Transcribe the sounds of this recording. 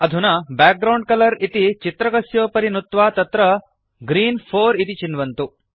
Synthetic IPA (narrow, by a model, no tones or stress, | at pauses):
ɐd̪ʱunɐbɛːk̚ɡɾɐwɳɖ̚kɐlɐɾit̪it͡ʃit̪ɾɐɡɐsjoːpɐɾinut̪ːʋaːt̪ɐt̪ɾɐ | ɡɾiːnpʰoːɾit̪it͡ʃinʋɐnt̪u